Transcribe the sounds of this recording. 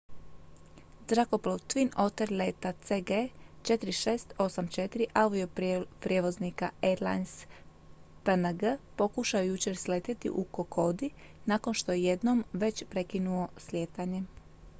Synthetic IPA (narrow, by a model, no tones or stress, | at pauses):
zɾakoplˠoʋt̪ʋino̞t̪eɾlet̪at̪seɡet͡ʃet̪iɾiʃeːst̪o̞samt͡ʃe̞t̪iɾiʔaud̪iopɾʲjeʋo̞znikaeɾla̰jns | pənəɡəpo̞kuʃaojut͡ɕe̞ɾslet̪it̪ḭʔukokʰo̞d̪inaːko̞nʃt̪o̞jeje̞d̪no̞mʋe̞t͡ɕpɾe̞kinuo̞slʲjeːt̪aɲe̞